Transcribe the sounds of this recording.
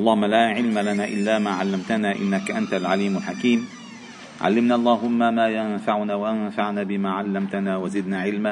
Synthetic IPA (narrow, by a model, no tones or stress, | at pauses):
ʔɑlˤːɑːhmːalaːʕɪlmalanaːʔɪlːaːmaːʕalːamt̪anaːʔɪ̰nːakaʔant̪alʕaliːmʊlħakiːm | ʕa̰lːɪmnaːʔɑlˤːɑːɦʊmːamaːjanfaʕʊnaːwaʔanfaʕnaːbɪmaːʕalːamt̪anaːwazɪd̪naːʕɪlma